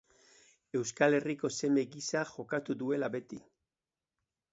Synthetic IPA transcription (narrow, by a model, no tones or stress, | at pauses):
e̞wskale̞riko̞se̞meɣisaxo̞kat̪uðue̞laβe̞t̪i